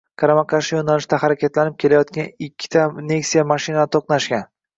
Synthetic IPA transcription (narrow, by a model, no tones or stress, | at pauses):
kʰaɾamakʰaʃɪjonalɪʃt̪ahaɾakʲat̪lanɪp̚kʲʰe̞lajɒt̪̚kʲanɪkʲʰːɪ̥t̪ʰane̞ksijamaʃinat̪ʰoqnaʃɡʲan